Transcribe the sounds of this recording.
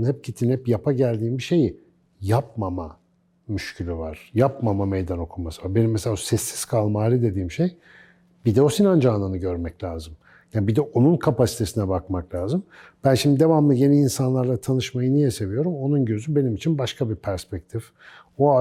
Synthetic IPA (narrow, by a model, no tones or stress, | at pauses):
nhɛp̚cit̪ʰinhɛpjapʰaɟælʲd̪iːmbiʃe̞ji | jap̚mama | myʃcʰylʲyvaɾ̥japmamamejd̪ano̞kʰumasɯvaɾbenimːɛselʲaosɛsːi̥z̥kʰalˠmaːlʲid̪e̞d̪iːmʃe̞j | bid̪ɛo̞sinand͡ʒaːnlˠanɯɟø̞ɾmɛclʲaːzɯm | jaːbid̪ɛʔo̞nunkʰapasi̥t̪ʰe̞sinɛbakmaklʲaːzɯmb̥ænʃimd̪id̪e̞vamlˠɯje̞niːnsanlˠaɾlˠat̪ʰanɯʃmajɯnijɛse̞vijo̞ɾumo̞nunɟø̞zybe̞nimit͡ʃʰinbaʃkʰabipʰæɾspɛc̚t̪ʰif | oa